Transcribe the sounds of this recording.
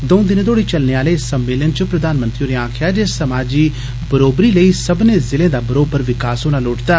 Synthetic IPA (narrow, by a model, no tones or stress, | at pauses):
d̪õːd̪ɪnẽːt̪ʰoːɽiːt͡ʃəlneːaːleːsəmːeːlənt͡ʃəpɾəd̪aːnmə̃nt̪ɾioːɾeãːkʰjaːd͡ʒeːsəmaːd͡ʒiː | bəɾoːbɾiːləiːsəbneːzɪlẽːd̪aːbəɾoːbəɾʋɪkaːsɦoːñaːloːʈd̪aː